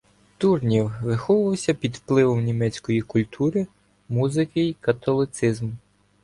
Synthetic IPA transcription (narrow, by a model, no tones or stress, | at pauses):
t̪urnʲiwʋɪxɔʋʊʋɐwsʲɐpʲid̪wplˠɪʋɔmnʲimɛt͡sʲkɔjikʊlʲt̪ʰuɾɪ | muzɪkɪikɐt̪ɔlˠɪt̪sɪzm